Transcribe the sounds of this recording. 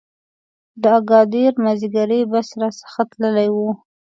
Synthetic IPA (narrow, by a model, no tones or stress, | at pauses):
d̪əaɡɑd̪eɾmaziɡaɾebasɾasə̥xat̪ləlajwu